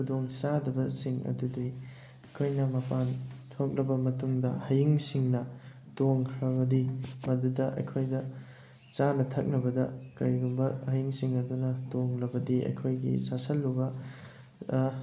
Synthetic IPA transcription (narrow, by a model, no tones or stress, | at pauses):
kʰudoŋsadɐbɐsiŋɐ̰dudi | ɐjkʰojnɐmɐpantʰok̚ɾɐbɐmɐtuŋdɐhɐjiŋsiŋnɐ | toŋkʰɾɐβɐdimɐdudɐʔɐ̰jkʰojdɐ | t͡ʃanɐtʰɐk̚nɐbɐdɐkɐjɡumbɐhɐjiŋsiŋɐdunɐtoŋlɐbɐdiɐ̰jkʰojɡḭsasɐlːubɐ